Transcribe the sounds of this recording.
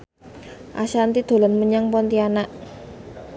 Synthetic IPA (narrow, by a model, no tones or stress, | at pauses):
ʔa̰ʃant̪id̪̥o̤lənməɲaŋpɔnt̪ianaʔ